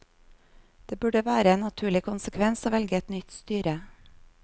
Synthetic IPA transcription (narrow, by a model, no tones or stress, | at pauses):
d̪̥eːbʉɖəʋæːɾəeːnnɑt̪ʰʉːɭɪkʰʊnsəkʰʋɛnsoːʋɛlɡəɛt̪nʏt̪st̪yːɾə